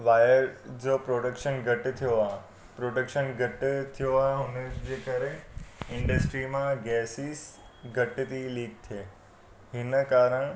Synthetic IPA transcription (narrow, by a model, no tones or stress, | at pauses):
ʋaːjəɾd͡ʑoːpɾoːɖəkʃənɡʱɐʈɪt̪ʰijoaː | pɾoːɖəkʃənɡʱɐʈɪt̪ʰijoaːɦeɦʊnd͡ʑeːkəɾeɪ̃ɳɖəsʈɾimãɡɛːsis | ɡʱɐʈɪt̪iliːk̚t̪ʰieː | ɦɪnəkaːɾəɽ̃